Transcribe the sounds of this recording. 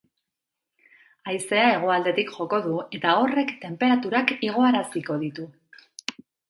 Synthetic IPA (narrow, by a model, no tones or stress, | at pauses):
ajse̞ae̞ɣ̞o̞ald̪e̞t̪ikʝo̞ko̞ð̞ue̞t̪ao̞re̞kt̪e̞mpe̞ɾat̪uɾakiɣ̞o̞aɾasiko̞ð̞it̪u